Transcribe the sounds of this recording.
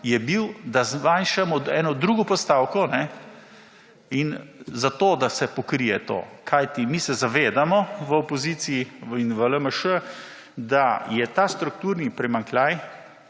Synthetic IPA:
jɛbiwd̪azmanʃamɔɛːnɔd̪ɾuːɡɔpɔst̪aːwkɔnɛ | inzat̪oːd̪asɛpɔkɾijɛt̪o̰ːkʰajt̪imisɛzaʋeːd̪amɔʋəɔpɔziːt̪siːinʋələməʃə | d̪ajɛt̪aːst̪ɾuk̚t̪uːɾnipɾɛmaŋklaj

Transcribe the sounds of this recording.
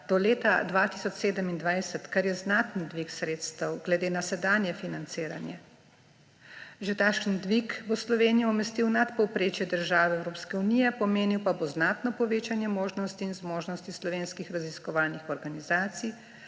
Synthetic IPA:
d̪̥ɔleːt̪ad̪ʋat̪isɔt͡ʃseːd̪əmind̪ʋajsɛt̪kaɾjɛznaːt̪nid̪ʋiksɾeːt̪st̪ɐwɡlɛd̪eːnasɛd̪aːnjɛfinant̪siːɾa̰njɛ | ʒɛt̪akʃənd̪ʋikbɔslɔʋeːnijɔɔmɛst̪iwnat̪pɔwpɾeːt͡ʃjɛd̪əɾʒaːʋɛɛwɾoːpskɛunijɛpɔmeːniwpaboznaːt̪nɔpɔʋeːt͡ʃanjɛmoːʒnɔst̪iːnzmoːʒnɔst̪islɔʋeːnskixɾaziskɔʋaːlnixɔɾɡanizaːt̪sij

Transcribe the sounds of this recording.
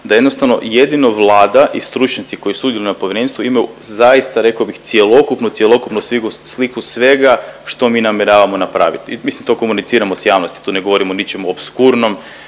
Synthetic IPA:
d̪ajed̪nost̪aʋno̞̰je̞d̪inoʋlˠaːd̪aʔist̪ɾut͡ʃɲat̪siko̞jisuud̪jelinapoʋjeɾe̞ːnst̪ʋuimaju | zajist̪aɾe̞kabixt̪sje̞lˠo̞kupnut̪sjelˠo̞kupnusʋiɡuslikusʋe̞ɡaʃt̪o̞miːnamjeɾaːʋamo̞napɾa̰ːʋḭt̪mislimt̪o̞ko̞munit̪siːɾamo̞sjaːʋnost̪i̥t̪uːneɡo̞ʋo̞ɾimonit͡ʃemuobskuɾno̞m

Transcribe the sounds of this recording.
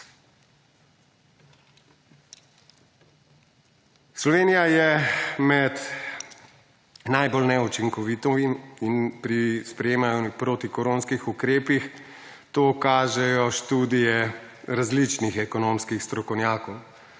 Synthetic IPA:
slɔʋeːnijajɛmɛt̪ | najbolnɛut͡ʃiŋkɔʋit̪ɔiminpɾispɾɛjeːmajɔpɾoːt̪ikɔɾoːnskixukɾeːpix | t̪oːkaːʒɛjɔʃt̪uːd̪ijɛ | ɾazlit͡ʃnixɛkɔnoːmskixst̪ɾɔkɔwnjaːkɔw

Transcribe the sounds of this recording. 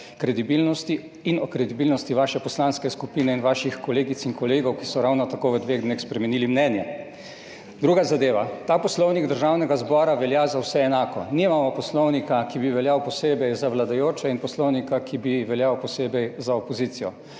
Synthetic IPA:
kɾɛd̪ibilnɔst̪iː | nɔkɾɛd̪ibiːlnɔst̪iʋaːʃɛpɔslaːnskɛskupiːnɛinʋaːʃixkɔleːɡit̪sinkɔleːɡɔwkisɔɾawnɔt̪akoʋəd̪ʋeɣd̪neːxspɾɛmɛnilimnɛnjɛ | d̪ɾuːɡazad̪eːʋat̪aːpɔslɔwniɡd̪əɾʒawnɛɡazbɔːɾaʋɛljazawsɛːnaːkɔ̰nimamɔpɔslɔwnikakibiʋɛljawpɔseːbɛjzaʋlad̪ajoːt͡ʃɛinpɔslɔwnikakʰibiʋɛljawpɔseːbɛjzaɔpɔzit̪sijɔ

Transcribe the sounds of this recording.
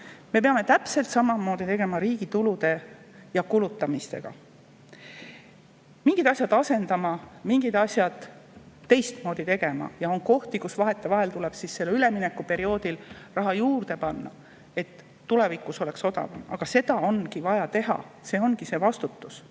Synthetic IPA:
me̞p̬e̞ɑme̞t̪æpse̞lt̪sɑmɑmo̞ːd̪̥it̪e̞ɡe̞mɑɾiːɡ̥it̪ulud̪e̞ | jɑkulut̪ːˑɑmist̪e̞̰ɡ̥ɑ̰ | miŋɡ̥id̪̥ɑsʲjɑd̪̥ɑse̞nd̪ɑmɑmiŋɡid̪̥ɑsʲjɑd̪̥ː | e̞jst̪mo̞ːd̪̥it̪e̞ɡ̥e̞mɑ̰jɑo̞nko̞ht̪ikusvɑɦe̞t̪ːˑe̞vɑɦe̞lt̪ule̞b̥sisːe̞lːyle̞mine̞kːˑupe̞ɾio̞ːd̪ilrɑɦɑjuːrd̪̥e̞pɑnːɑ̰ | e̞t̪ː | ule̞vikˑuso̞lekso̞d̪ɑ̰vɑ̰mɑ̰ɡ̥ɑse̞d̪ɑo̞nkivɑjɑt̪e̞ɦɑ̰se̞ːo̞nkise̞vɑst̪ut̪ːˑus

